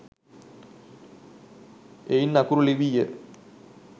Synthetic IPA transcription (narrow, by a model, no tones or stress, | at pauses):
ejnːɐkuɾuliʋijə